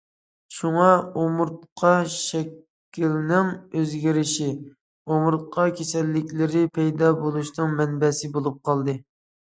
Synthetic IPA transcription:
ʃuŋɑomʊɾt̪̚qʰɑʃɛkʲʰː | ilnɪŋøzɡʲiɾɪʃi | omʊɾt̪̚qʰɑkʲʰesɛlːɪkʲlɪɾɪpʰɛjd̪ɑbolˠuʃnɨŋmɛnbɛsɪbolˠup̚qʰɑlˠd̪ɨ

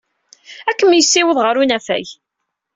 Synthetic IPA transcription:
ækːəmjəsːiwəðˤʁəɾunæfæ̰j

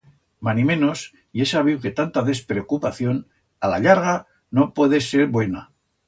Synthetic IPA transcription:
manimẽnos | jesaβ̞iwke̞t̪ant̪aðe̞spɾeokupaθjo̞n | alaʎaɾɣa | nopweðese̞ɾβwe̞na

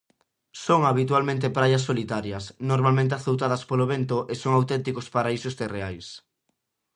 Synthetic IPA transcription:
soŋaβ̞it̪walmẽnt̪epɾajɐs̬ːolit̪aɾjɐsnoɾmalmẽnt̪eaθowt̪aðɐspoloβent̪oʔesoŋawt̪ɛnt̪ikospaɾaisost̪ereajs

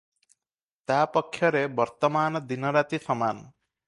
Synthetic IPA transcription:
t̪apɔkʰːjɔɾebɔɾt̪ɔmaːnɔd̪inɔɾat̪isɔman

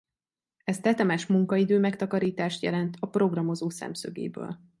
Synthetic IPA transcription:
ɛst̪ɛt̪ɛmɛʃmuŋkɒid̪øːmɛkt̪ɒkɒɾiːt̪aːʃt̪jɛ̰lɛnt̪ʰɒpro̞ɡrɒmo̞zoːsɛ̰msø̰ɡḛːbø̰ːl

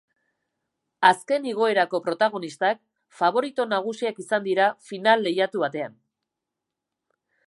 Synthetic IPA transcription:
aske̞niɣ̞o̞e̞ɾako̞pɾo̞t̪aɣ̞o̞nist̪ak̚ | faβ̞o̞ɾit̪onaɣ̞usiakisand̪iɾafinalːe̞jat̪uβat̪e̞an

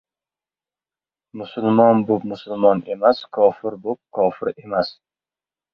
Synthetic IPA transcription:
mʊsʊlmɒnbop̚mʊsʊlˠmɒne̞maskʰɒfɪɾbop̚kʰɒfɪɾe̞mas

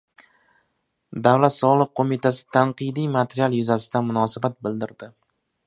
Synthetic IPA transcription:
d̪avlat̪sɒlˠɨq̚qʰːomɪt̪ʰasɪ̥t̪ʰaɴqɨd̪ijmat̪ʰeɾijalˠjʊzasɪd̪anmʊnɒsabat̪̚bɪld̪ɪɾd̪ɪ

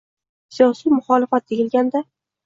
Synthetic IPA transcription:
sijɒsijmʊχɒlɪfat̪̚d̪eɡʲɪlɡʲand̪a

